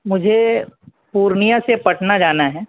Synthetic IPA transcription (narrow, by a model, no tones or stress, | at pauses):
mʊd͡ʒʱe | puːɾnijãsepɐʈʰnad͡ʒaːnaɦɛː